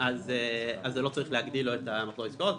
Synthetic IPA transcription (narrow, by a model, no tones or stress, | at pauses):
azeazːelo̞t͡saʁiχleaɡd̪iloet̪amaχloiskot̪